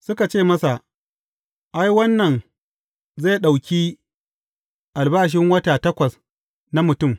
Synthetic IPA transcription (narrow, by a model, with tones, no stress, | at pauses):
sʊ˦ka˨t͡ʃeː˦˨mɐ˦sa˨ʔ | ʔa˦jwɐ˦nːɐ˨n | za˦˨jɗa˨wkʲiː˦ | ʔa˨lbaː˦˨ʃ̬ɪ˦ŋwɐ˦ta˨tɐ˦kʷɐ˨s | na˦mʊ˨tʊ˦˨m